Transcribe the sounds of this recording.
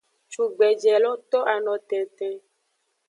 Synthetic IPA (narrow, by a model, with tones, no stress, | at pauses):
t͡ʃu˨ɡ͡bɛ˨d͡ʒɛ˨lɔ˦t̪ɔ˦ʔa˨nɔ̃˨t̪ɛ˨t̪ɛ˨